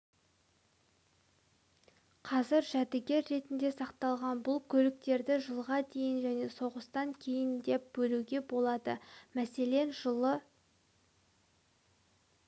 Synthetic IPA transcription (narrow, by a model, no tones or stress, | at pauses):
qʰɑzɪɾʒæt̪ɪɡʲe̞ɾːe̞t̪ɪnd̪e̞sɑqt̪ɑlˠʁɑnbʊlˠkʲʰɵlɪk̚t̪e̞ɾd̪ɪʒəlˠʁɑd̪e̞jɪnʒæne̞so̞ʁəst̪ɑŋkʲʰe̞jɪnd̪e̞p̚bɵluɡʲe̞bo̞lˠɑd̪ə̰mæse̞le̞nʒəə